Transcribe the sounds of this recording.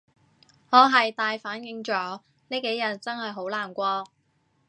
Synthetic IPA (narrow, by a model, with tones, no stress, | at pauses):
ŋɔː˨˧ɦɐ˨jt̪aː˨˧jfaː˨˥njɪ˧ŋt͡ʃɔː˨˥ | neː˥jke˨˥jɐ˨˩t̚t͡sɐ˥nhɐ˨jɦo˨˥wlaː˨˩nkʷɔː˧